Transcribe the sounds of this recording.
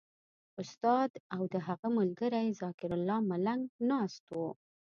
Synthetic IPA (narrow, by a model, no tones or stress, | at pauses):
ʊst̪ɑd̪awd̪əɦaɣamʊlɡəɾajzɑkɪɾʊlːɑmalaŋɡnɑst̪o